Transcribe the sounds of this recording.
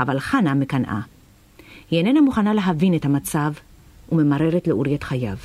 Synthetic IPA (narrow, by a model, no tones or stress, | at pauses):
avalχanamekanʔa̰ | henenamuχanale̞ɦavinethamat͡sav | ume̞maʁe̞ʁetleʔuʁijatχajav